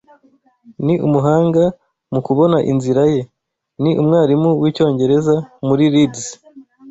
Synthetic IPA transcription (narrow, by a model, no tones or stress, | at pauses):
niʔumuɦaːŋɡa | mukuβo̞naʔḭnziɾaje̞ | niʔumŋaːɾimuwiːco̞ːɲɟe̞ɾe̞zamuɾiɾids